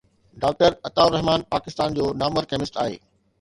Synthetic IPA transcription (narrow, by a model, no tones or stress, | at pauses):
ɖaːk̚ʈəɾɐt̪aːʊɾɐɦmaːnpaːkɪst̪aːnd͡ʑoːnaːməɾkɛːmɪsʈaːɦḛː